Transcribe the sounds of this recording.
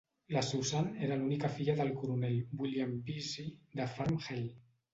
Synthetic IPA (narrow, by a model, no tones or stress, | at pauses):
lasuwsaneɾalunikafiʎaðəlkuɾunɛlbwiljampizid̪əfamxel